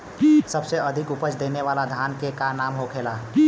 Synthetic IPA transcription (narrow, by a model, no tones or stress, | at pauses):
səbseəd̪ʱɪkʊpət͡ʃd̪eːneʋaːlad̪ʱaːnkekanaːmɦokʰeːla